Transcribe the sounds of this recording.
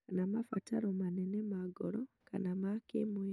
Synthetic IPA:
kanamafataɾɔmanɛnɛmaɡɔɾɔka̰namakemwɛ

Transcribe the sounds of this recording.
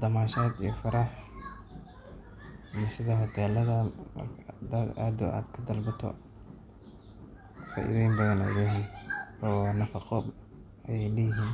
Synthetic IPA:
d̪ɐmaːʃaːd̪ḭjɔfɐɾɑħ | mɐsɪðɐɦɔt̪ʰɛːlɐðɐmɐ̰rkʰd̪ɐd̪aːd̪ʊ̰ʔa̰ːd̪kʰɐd̪ɐlbɐt̪ʰɔ̰ | fa̰ːʔḭðɛːjmbɐðɐnɛ̰læːɦiɔːnɐfɑqɔb | ʔɐjɛjlɛjɪɦiːn

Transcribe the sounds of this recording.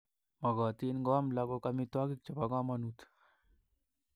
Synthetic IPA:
mɐɡaːt̪inɡaːmlaɡokamit̪waːɡik̚t͡ʃɐpaɡaːmɐnut̪ʰ

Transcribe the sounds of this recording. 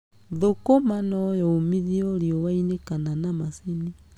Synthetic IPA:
ðokomanɔjɔːmiðiɔɾiɔwainekananamaseni

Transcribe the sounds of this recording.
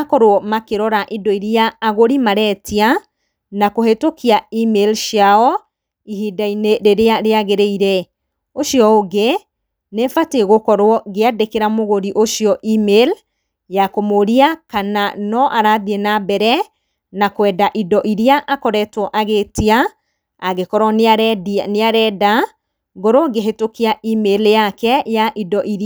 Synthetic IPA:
akɔɾwɔmakeɾɔɾaʔidɔiɾiaaɣoɾimaɾɛtia | nakohetokiaimelʃjaɔ | ihidaineɾeɾeaɾeaɣeɾeiɾɛ | oʃiɔoɡe | nefateɣokɔɾwɔɣeadekeɾamoɣoɾiʔoʃiɔʔimel | jakomoɾiakananɔʔaɾaðienabɛɾɛ | nakwɛdaʔidɔʔiɾiaʔakɔɾɛtwɔʔaɣetia | aɣekɔɾɔnneaɾɛda | ɡɔɾoɔɡeɦetokiaʔimeljakɛjaʔidɔʔiɾa

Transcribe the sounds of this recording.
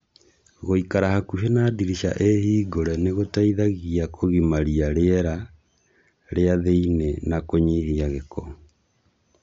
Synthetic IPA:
ɣoikaɾahakuʃenaːdiɾiʃa̰ʔehiːɡoɾɛneɣotaiðaɣiakʰoɣimaɾiaɾeɛɾa | ɾeaðeinenakoɲihiaɣekɔ

